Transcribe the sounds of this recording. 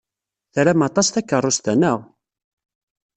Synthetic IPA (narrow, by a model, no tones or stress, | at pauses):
θɾæmɑt̪ˤɑsθækːərˤːost̪ænəʁ